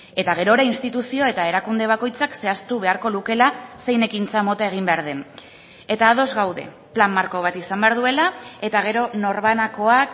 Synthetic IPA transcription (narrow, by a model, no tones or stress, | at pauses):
e̞t̪aɣ̞e̞ɾo̞ɾainst̪it̪usio̞e̞t̪ae̞ɾakund̪e̞β̞ako̞jt͡sakse̞ast̪uβ̞e̞aɾko̞luke̞lase̞jne̞kint͡samo̞t̪ae̞ɣ̞imbe̞aɾð̞en | e̞t̪aːð̞o̞zɣawðe̞̰ | plamːaɾko̞β̞at̪isambe̞aɾðue̞lae̞t̪aɣ̞e̞ɾo̞no̞ɾβanakoak